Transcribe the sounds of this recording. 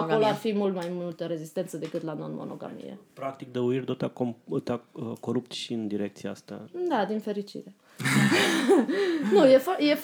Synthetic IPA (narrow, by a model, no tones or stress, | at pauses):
koloarfimult̪majmult̪əɾe̞zist̪e̞nt̪səd̪e̞kɨt̪lanonmo̞̰no̞̰ɡa̰mḭjḛpɾak̚t̪ik̚d̪əuirʲd̪ot̪akomt̪aəkoɾupt̪ʃiɨnd̪iɾekt̪siaast̪a̰d̪ad̪infe̞ɾit͡ʃḭɾe | nujefjef